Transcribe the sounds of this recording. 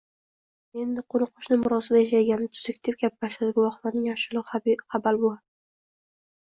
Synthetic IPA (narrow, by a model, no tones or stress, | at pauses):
e̞nd̪ɪqʰoɾʊqʰːʊʃnɪmʊɾɒsad̪ajaʃ̬ajɡʲanɪt̪ʰʊ̥zekʲt̪ʰɪfɡʲap̚baʃlad̪ɪɡʲʊwɒχlˠaɾnɪŋjɒʃɪlˠɪχabalbo